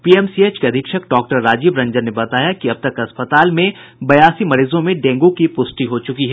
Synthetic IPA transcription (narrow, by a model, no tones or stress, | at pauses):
piːɛmsieːt͡ʃkeɐd̪ʱɪkʃək̚ɖɔːk̚ʈəɾːaːd͡ʒiːbɾɐ̃ɲd͡ʒəɾnebɐt̪aːjakiɐb̚t̪ɐkɐspət̪aːlmẽbɐjaːsimɐɾiːzõmẽɖẽːŋɡõkipʊsʈiɦot͡ʃʊkiɦɛː